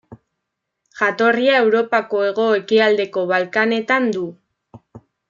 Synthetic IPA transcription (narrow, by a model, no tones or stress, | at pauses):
ʝat̪o̞riae̞wɾo̞pako̞e̞ɣ̞o̞e̞kiald̪e̞ko̞β̞alkane̞t̪and̪u